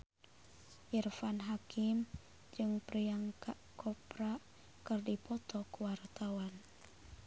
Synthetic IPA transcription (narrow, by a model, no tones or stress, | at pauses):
ʔirfanɦakʰɪm | d͡ʒɨŋpɾiaŋkaʔkɔpɾa | kɨrdipɔt̪ɔkwart̪awan